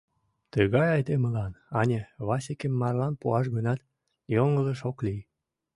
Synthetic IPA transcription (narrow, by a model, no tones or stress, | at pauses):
t̪əɣɑjɑjt̪eməlɑnɑnʲeβɑsekemːɑrlɑnpuɑʃ̬ɣənɑt̪ | joŋələʃoklij